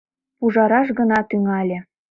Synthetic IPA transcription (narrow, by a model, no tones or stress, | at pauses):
puʒɑɾɑʃɡɤ̆nɑt̪yŋɑlʲĕ